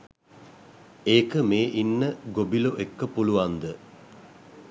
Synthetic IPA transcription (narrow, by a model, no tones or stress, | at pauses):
eːkəmeːʔinːəɡobiloʔekːəpuluʋand̪ə